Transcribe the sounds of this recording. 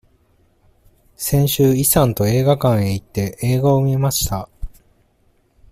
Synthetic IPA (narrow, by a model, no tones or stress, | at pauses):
sẽ̞ɰ̃ɕɨːisãnt̪o̞e̞ːɡakãɰ̃e̞it̪ːe̞ʔeːɡaomʲimaɕi̥t̪a